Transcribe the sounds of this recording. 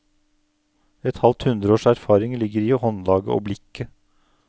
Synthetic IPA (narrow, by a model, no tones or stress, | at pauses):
ɛt̪hɑlt̪hʉnd̪ɾəoːʂæɾfɑːɾɪŋlɪɡːəɾiːhɔnlɑːɡə̰ʔo̰ːblɪkːə